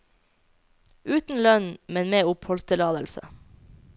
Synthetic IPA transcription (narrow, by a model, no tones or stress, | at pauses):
ʉːt̪n̩lœnmɛnmeːʊphɔlst̪əlɑːd̪əlsə̰